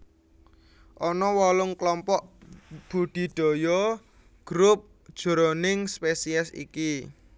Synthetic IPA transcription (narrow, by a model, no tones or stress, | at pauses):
ʔɔnɔwɔlʊŋklɔmpɔʔb̥ṳɖ̪̥i̤ɖ̥o̤jɔ | ɡ̥ɾʊp̚ | d̥ʒ̥o̤ɾɔnɪŋspesiɛsḭki